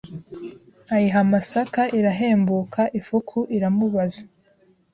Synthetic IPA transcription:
ajiɦamasakaʔiɾaɦeːmbukʰaʔifukʰuʔiɾamuβazḁ

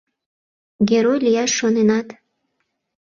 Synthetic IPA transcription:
ɡʲeɾojlʲijɑʃːonenɑt̪

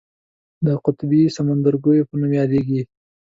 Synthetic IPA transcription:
d̪əqʊt̪bisamand̪aɾɡojopənumjɑd̪eɡi

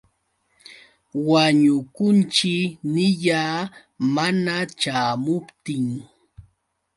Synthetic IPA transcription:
waɲʊkʊnt͡ʃɪnɪʎaː | manat͡ʃaːmʊpt̪ɪŋ

